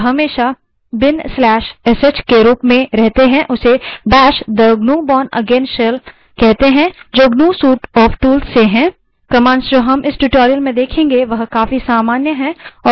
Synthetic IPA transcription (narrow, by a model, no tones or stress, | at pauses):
ɦɐmeːʃa | bɪnslɛːʃɛsət͡ʃkeɾuːpmẽɾɛɦt̪eɦɛ̃ʔʊsebɛːʃd̪əɡnũːbɔːnɐ̰ɡeːnsʃel | kɛɦt̪eɦɛ̃d͡ʒoːɡnũːsuːʈɔːfʈuːlsːeɦɛ̃ː | kɐmãːnsd͡ʒoːɦɐmʔɪsʈuʈoːɾijəlmẽd̪eːkʰẽːŋɡeʋɐɦkaːfisaːmaːnjəɦɛ̃ɔː